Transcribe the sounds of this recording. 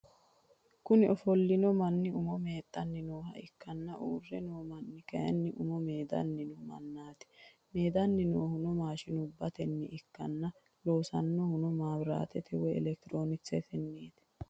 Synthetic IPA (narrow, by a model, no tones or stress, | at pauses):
kʊnɪʔɔfɔlːɪnɔmɐnːɪʊmɔme̞ːt̪ʼːɐnːɪnoːhɐɪkːɐnːɐʔṵːrːɛnoːmɐnːɪkɐjɐ̰nːɪʔʊmɔme̞ːd̪ɐ̰nːɪnɔmɐ̰nːaːt̪ɪ̥ | meːd̪ɐnːɪnoːhʊnɔmaːʃɪnʊbːɐt̪ɛnːɪʔɪkːɐnːɐ | lo̞ːsɐnːɔhʊnɔmaːbɾa̰ːt̪ɛt̪ɛwɛɛ̰lɛk̚t̪ɪɾo̞ːnɪt͡sːɛt̪ɛnːeːt̪